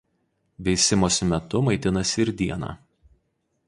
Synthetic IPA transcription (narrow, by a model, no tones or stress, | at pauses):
ʋʲɛɪsʲɪmoːsʲmʲɛt̪ʊmɐɪt̪ʲɪnɐsʲɪɾd̪ʲiɛnɑ̰ː